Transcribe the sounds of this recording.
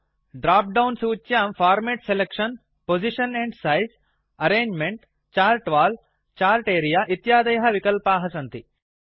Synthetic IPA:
ɖɾaːp̚ɖɐwnsuːt͡ʃːjaːmfʰaːɾmeːʈselekʂɐn | pod͡ʒiʂɐneɳɖsɐjs | ɐɾeːɲd͡ʒmeɳʈ | t͡ʃaːlʈʋaːl | t͡ʃaːlʈeːɾijaːʔit̪jaːd̪ɐjɐɦɐʋikɐlpaːɦɐsɐnt̪i

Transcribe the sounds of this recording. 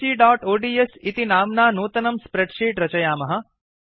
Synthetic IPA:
iːɖaːʈoːɖiesit̪inaːmnanoːt̪ɐnɐmspɾeʈʃiːʈɾɐt͡ʃɐjaːmɐɦɐ

